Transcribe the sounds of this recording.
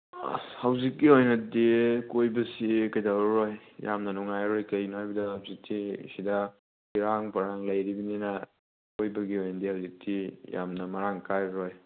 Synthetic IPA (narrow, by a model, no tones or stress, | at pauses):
hɐwzikːiojnɐdikojbɐsikɐjdaɾɾojjamnɐnuŋajɾojkɐjnhajbɐdɐhawzik̚tisidɐ | biɾaŋpɐɾaŋlɐjɾibininɐ | kojbɐɡiojnɐdihawzik̚tija̰mnɐmɐɾaŋkajɾoj